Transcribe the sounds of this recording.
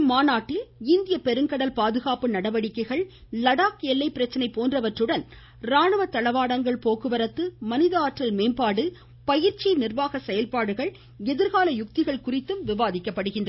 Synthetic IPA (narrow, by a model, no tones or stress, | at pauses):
maːnaːʈːɪlɪnd̪ɪjɐpɛɾɯŋkɐɽɐlpaːðɯɣaːpɯnɐɽɐʋɐɽɪkːɐɪɣɐɭ | lɐɽaːkɛlːɐɪpːɪɾɐt͡ʃːɐnɐɪpːoːndrɐʋɐʈrɯɽɐn | ɾaːɳɐʋɐt̪ːɐɭɐʋaːɽɐŋɡɐɭpoːkɯʋɐɾɐt̪ːɯmɐnɪðɐaːʈrɐlmeːmpaːɽɯ | pɐjɪɾt͡ʃinɪrʋaːɣɐsɛjɐlpaːɽɯɣɐɭ | ɛðɪɾɣaːlɐjʊk̚t̪ɪɣɐɭkʊrɪt̪ːɯmʋɪʋaːðɪkːɐpːɐɽɯɣɪndrɐ